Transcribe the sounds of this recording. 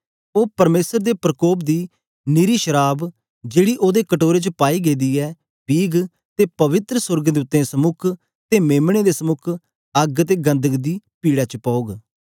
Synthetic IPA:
oːpəɾmeːsəɾd̪eːpɾəkoːpd̪iː | nɪɾiːʃəɾaːb | d͡ʒeːɽiːʔoːd̪eːkəʈoːɾeːt͡ʃəpaːiːɡeːd̪iːɛː | biːɡ | t̪eːpəʋɪt̪ɾəsʊɾɡəd̪ʊt̪ːẽːsəmʊkʰ | t̪eːmeːmɽ̃eːd̪eːsəmʊkʰ | əɡət̪eːɡə̃nd̪əɡd̪iːpiːɽaːt͡ʃəpɔːoːɡ

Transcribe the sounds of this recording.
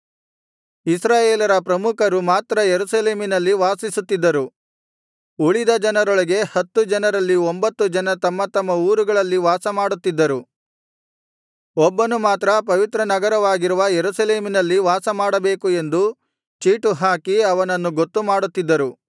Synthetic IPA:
isɾaːjeːlɐɾɐpɾɐmukʰɐɾumaːt̪ɾɐjeɾusɐle̞ːminɐlːiʋaːsisut̪ːid̪ːɐɾu | uɭid̪ɐd͡ʒɐnɐɾoɭɐɡe̞hɐt̪ːud͡ʒɐnɐɾɐlːiombɐt̪ːud͡ʒɐnɐt̪ɐmːɐt̪ɐmːɐuːɾuɡɐɭɐlːiʋaːsɐmaːɽut̪ːid̪ːɐɾu | ɔbːɐnumaːt̪ɾɐpɐʋit̪ɾɐnɐɡɐɾɐʋaːɡiɾuʋɐjeɾusɐleːminɐlːiʋaːsɐmaːɽɐbe̞ːkue̞nd̪u | t͡ʃiːʈuɦaːkiɐʋɐnɐnːuɡot̪ːumaːɽut̪ːid̪ːɐɾu

